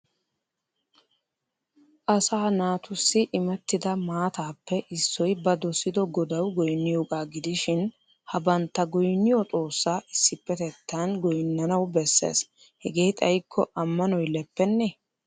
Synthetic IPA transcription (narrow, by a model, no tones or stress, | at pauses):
ʔɐsaːnaːt̪ʊsːɪʔɪmɛt̪ːɪd̪ɐmaːt̪aːpːɛʔɪsːɔjbɐd̪ɔsɪd̪ɔɡɔd̪ɐwɡɔjnːɪjoːɡaːɡɪd̪ɪʃɪn | hɐbɐnt̪ːɐɡɔjnːɪjɔt̪ʼo̞ːsːaːʔɪsːɪpːɛt̪ɛt̪ːɐnɡɔjnːɐnɐwbɛsːḛːs | hɛɡe̞ːt̪ʼɐjkʰːɔʔɐmːɐnɔjlɛpːɛnːɛ